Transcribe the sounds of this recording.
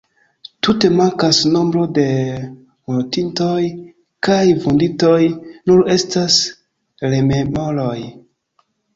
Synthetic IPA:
tute̞maŋkasno̞mbɾo̞de̞ | motintoj | kajvundito̞jnuɾe̞stas | leme̞mo̞loj

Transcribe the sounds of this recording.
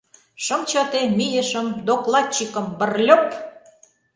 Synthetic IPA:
ʃɤ̆mt͡ɕɑt̪emijĕʃə̆md̪oklɑt͡ɕːikɤ̆mbə̆rlʲøp

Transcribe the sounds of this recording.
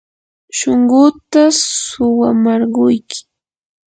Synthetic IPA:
ʃoŋɢʊt̪asʊwamaɾɢʊjkɪ̥

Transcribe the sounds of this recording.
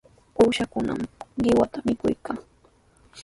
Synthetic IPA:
uːʃakʊna̰mɢɪwat̪amɪkʊjkaː

